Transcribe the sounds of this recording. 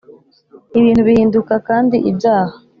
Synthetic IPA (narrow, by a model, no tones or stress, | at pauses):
iβiːn̥thuβihiːndukakaːndiʔibjaːha